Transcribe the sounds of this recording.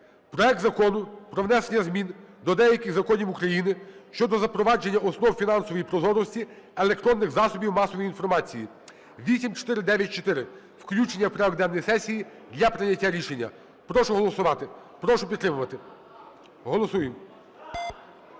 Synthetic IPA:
pɾɔɛk̚t̪zɐkɔnʊpɾɔʋnɛsenʲːɐzmʲind̪ɔd̪ɛjɐkɪɣzɐkɔnʲiwukɾɐjinɪʃt͡ʃɔd̪ɔzɐpɾɔʋɑd͡ʒenʲːɐʔɔsnɔwfʲinɑnsɔʋɔjipɾɔzɔɾɔsʲtʲi | elˠek̚t̪ɾɔnːɪɣzɑsɔbʲiwmɑsɔʋɔjinfɔrmɑt͡sʲiji | ʋʲisʲimt͡ʃɔ̥t̪ɪɾɪd̪ɛʋʲjɐt̚ʲt͡ʃɔt̪ɪɾɪ | wklʲut͡ʃenʲːɐwpɾeɔɡd̪ɛnːɔjisɛsʲiji | d̪lʲɐpɾɪnʲɐtʲːaɾʲiʃenʲːɐ̰ | pɾɔʃʊɦɔlˠɔsʊʋɑt̪ɪ | pɾɔʃʊpʲit̪t̪ːɾɪmʊʋɐt̪ɪ | ɦɔlˠɔsujɪm

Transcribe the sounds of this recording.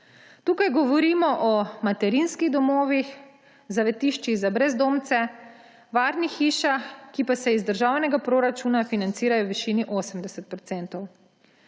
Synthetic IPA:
t̪uːkajɡɔʋɔɾiːmɔʔɔmat̪ɛɾinskiɣd̪ɔmoːʋix | zaʋɛt̪iʃt͡ʃiɣzabɾɛzd̪oːmt̪sɛ | ʋaːɾnixiːʃaxkipasɛizd̪əɾʒaːwnɛɡapɾoːɾat͡ʃuːnafinant̪siːɾajɔwʋiʃiːniʔoːsəmd̪ɛsɛt̪̚pɾɔt̪sɛnt̪ɔw

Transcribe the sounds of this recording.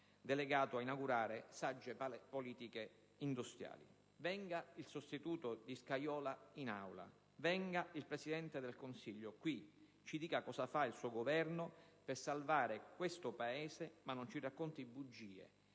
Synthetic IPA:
d̪eleɡaːt̪oainaɡuɾaːɾesad͡ʒːepoliːt̪ike | ind̪ust̪ɾja̰ːlḭ | vɛŋɡailsost̪it̪uːt̪ʊd̪iskajɔːlainawla̰ | vɛŋɡailpɾeɛsid̪ɛnt̪ed̪elkonsiʎːokwi | t͡ʃid̪iːkakɔsafailsuːɡovɛrnʊpɪrsalvaːɾekwest̪ʊpaeːzemanːont͡ʃirakːont̪ibud͡ʒːiːḛ

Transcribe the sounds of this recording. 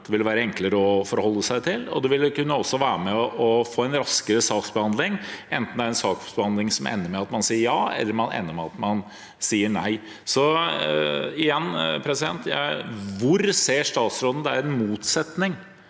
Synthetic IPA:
d̪̥ɛʋɪlʋæːɾəɛŋkləɾəɔfɔɾhɔlːəsæɪt̪ʰɪlɔ̰d̪ɛʋɪlkʉnːəɔsːɔʋæːɾəmɛɔʔɔfoːɛnɾɑskəɾəsɑːksbəhɑnd̪lɪŋʔɛnt̪n̩d̪æɾɛnsɑːksbəhɑnd̪lɪŋsɔmʔɛ̰nːəɾmɛɑt̪mɑnsiːəɾjɑːɛ̰lːəɾmɑnɛ̰nːəmɛɑt̪mɑn | siːəɳæ̰ɪ | sɔ | ɪjɛnːpʰɾɛsɪd̪ɛ̰nt̪jæ̰ʋʊɾseːʂt̪ɑːt̪sɾoːd̪n̩d̪ɛæɾɛnmuːt̪sɛt̪nɪŋ

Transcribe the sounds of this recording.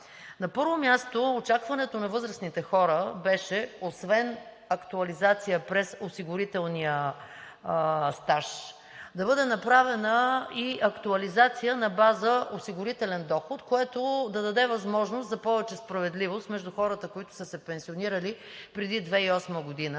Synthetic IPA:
nɐpɤɾvomʲjast̪oːt͡ʃakvɐnɛt̪onɐvɤzɾəsnit̪ɛxɔɾəbɛʃɛosvɛn | ɐkt̪uɐlizat̪sijəpɾɛsosiɡʊɾit̪ɛlˠniə | st̪aʃ | d̪ɐbɤd̪ɛnɐpɾavɛnəiɐkt̪uɐlizat̪sijənɐbazəʔosiɡʊɾit̪ɛlɛnd̪ɔxot̪koɛt̪od̪ɐd̪ɐd̪ɛvɐzmɔʒnost̪zɐpɔvɛt͡ʃɛspɾɐvɛd̪livost̪mɛʒd̪ʊxɔɾət̪əkoit̪ʊ̥səsɛpɛnsioniɾəli | pɾɛd̪id̪vɛiɔsməɡod̪inə

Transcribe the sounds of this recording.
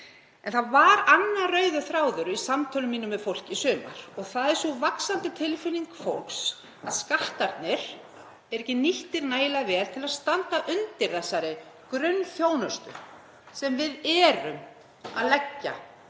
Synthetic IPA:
ɛnθaðvaɾanːarœːɥðʏθɾaːwðʏɾʏisamt̪ʰœlʏmiːnʏmɛðfowl̥cɪisʏːma̰ɾ̥ɔɣθaðɛɾ̥suvaksant̪ɪt̪ʰɪlfɪliŋkfowks | aðskaht̪aɾt̪nɪɾ̥ | ɛɾɛcɪniht̪ɪɾnaːjlavɛːl̥t̪ʰɪlaðst̪ant̪aʔʏnt̪ɪɾθɛsːaɾɪ | kɾʏnθjoːwnœst̪ʏ̰ | sɛmvɪðɛːɾʏ̰m | a̰ðlɛcːa̰

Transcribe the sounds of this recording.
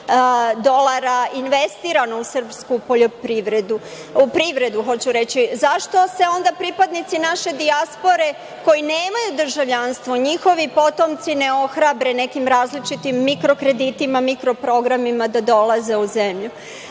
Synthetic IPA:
d̪o̞lˠaɾainʋe̞st̪iːɾanousr̩pskupo̞ʎo̞pɾiʋɾed̪u | upɾiʋɾe̞d̪uxo̞t͡ɕuɾe̞t͡ɕizaʃt̪o̞se̞o̞nd̪apɾipad̪nit̪sinaʃe̞d̪iaspo̞ɾe̞ | ko̞jineːmajud̪r̩ʒaʋʎanst̪ʋo̞ɲixo̞ʋipo̞t̪o̞mt̪sine̞o̞xɾabɾe̞ne̞kimɾaːzlit͡ʃit̪imːikɾo̞kɾe̞d̪it̪imamikɾo̞pɾo̞ɡɾamimad̪ad̪o̞lˠaze̞uzemʎu

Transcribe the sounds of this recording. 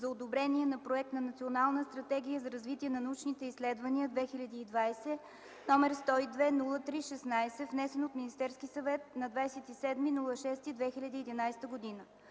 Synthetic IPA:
zɐod̪obɾɛniɛnɐpɾoɛk̚t̪nɐnɐt̪sʲionalˠnəst̪ɾɐt̪ɛɡ̟ʲijəzɐɾɐzvit̪iɛnɐnɐut͡ʃnit̪ɛislɛd̪vəniəd̪vɛxilʲɐd̪iːd̪vajsɛ | nɔmɛɾst̪ɔid̪vɛnulˠət̪ɾiʃɛsnajsɛvnɛsɛnot̪minist̪ɛɾskisɐvɛt̪̚nɐd̪vajsɛt̪isɛd̪minulˠəʃɛst̪id̪vɛxilʲɐd̪iːd̪inajst̪əɡod̪inə

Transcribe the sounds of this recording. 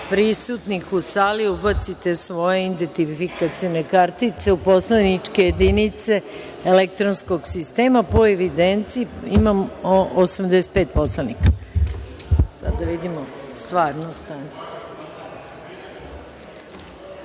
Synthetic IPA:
pɾisut̪nixusaːliubat̪sit̪e̞sʋo̞jeind̪ent̪ifikat̪sionekaɾt̪it̪se̞uposlanit͡ʂkejed̪init̪se̞ | elek̚t̪ɾonskoɡsist̪eːmapoeʋid̪ent̪siːimamoosamd̪ɛs̬et̪̚pet̪̚poslanikḁ | sa̰d̪aʋid̪imost̪ʋaːɾnost̪aɲe

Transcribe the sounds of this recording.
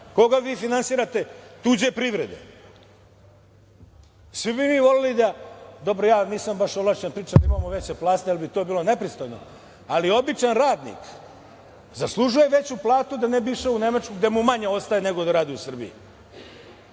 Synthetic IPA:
ko̞ɡaʋiːfinansiːɾat̪e̞t̪uːd͡ʑe̞pɾiʋɾḛd̪ḛ | sʋibimiʋo̞lelid̪ad̪o̞bɾojaːniːsambaʃolˠaʃt͡ʃanpɾiːt͡ʃad̪aimaːmoʋe̞t͡ɕeplˠaːst̪ejalbit̪o̞ːbiːlˠo̞ne̞pɾist̪ojno̰ | alio̞bit͡ʃanɾaːd̪nḭk | zaslˠuʒuje̞ʋe̞t͡ɕuplˠaːt̪ud̪anebiʂeune̞mat͡ʃkuɡd̪emumaɲeo̞st̪ajene̞ɡod̪aɾaːd̪iusr̩bijḭ

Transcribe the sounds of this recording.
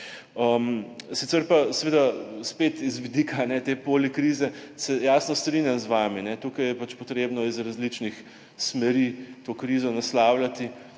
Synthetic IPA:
əmsit̪sɛɾpasɛʋeːd̪aspeːt̪izʋid̪ikʰanɛt̪eːpoːlikɾiːzɛsɛjaːsnɔst̪ɾinjamzʋaːminɛt̪uːkajɛpat͡ʃpɔt̪ɾeːbnɔizɾazlit͡ʃnix | smɛɾiːt̪oːkɾiːzɔnaslaːwlat̪i

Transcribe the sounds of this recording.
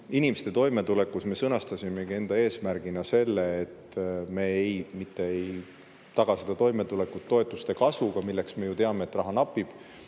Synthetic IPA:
inimest̪e̞t̪o̞jme̞t̪ule̞kːˑusme̞sɤnɑst̪ɑsʲime̞ɡie̞nd̪̥ɑe̞ːsmæɾɡ̥inɑse̞lːe̞ːt̪me̞ejmit̪ːe̞ej | t̪ɑɡ̥ɑsed̪̥ɑt̪o̞jme̞t̪ule̞kːˑut̪ːo̞et̪ːˑust̪e̞kɑsvuɡ̥ɑmilːe̞ksme̞jut̪e̞ɑme̞ːt̪ːrɑɦɑnɑpːˑib̥

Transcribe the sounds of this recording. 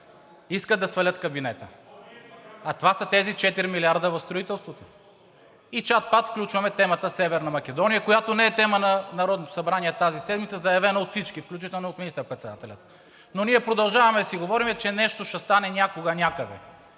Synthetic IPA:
iskəd̪d̪ɐsvɐlʲət̪kɐbinɛt̪ə | ɐt̪ovasət̪ɛzit͡ʃɛt̪iɾimilʲiaɾd̪əvɐfst̪ɾoit̪ɛlˠst̪vot̪o̥ | it͡ʃat̪̚pat̪fklʲut͡ʃvɐmɛt̪ɛmət̪əsɛvɛɾnɐmɐk̟ɛd̪ɔnijəkojat̪onɛɛt̪ɛmənɐnɐɾɔd̪not̪o̥sɐbɾaniɛt̪azisɛd̪mit̪səzɐjɐvɛnɐot̪fsit͡ʃkifklʲut͡ʃit̪ɛlˠnoot̪minist̪əɾpɾɛt̪sɛd̪at̪ɛlʲət̪̚ | noniɛpɾod̪ɐlˠʒavɐmɛsiɡovɔɾimɛt͡ʃɛnɛʃt̪oʃɛst̪anɛnʲakoɡənʲakəd̪ɛ̰

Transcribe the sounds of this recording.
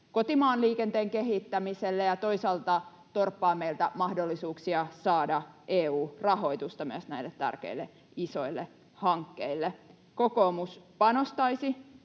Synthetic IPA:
kot̪imɑːnliːkent̪eːŋkeɦit̪ːæmiselːejɑt̪oisɑlt̪ɑ | t̪orpːɑːmːeilt̪æmɑhdolːisuːksiɑsɑːdɑʔeːuːrɑho̞it̪ust̪ɑmyøsnæilːet̪t̪æ̰rkḛilːe | isoilːe | hɑŋkːeilːe | kokoːmuspɑnost̪ɑisi

